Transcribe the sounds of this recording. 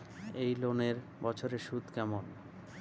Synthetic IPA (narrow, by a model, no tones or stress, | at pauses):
ejloneɾ | bɔt͡ɕʰoɾeʃud̪kɛmon